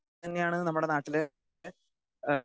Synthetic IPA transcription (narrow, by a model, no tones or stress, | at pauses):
ɐnːe̞jaːɳɨnɐmːuɽe̞naːʈːil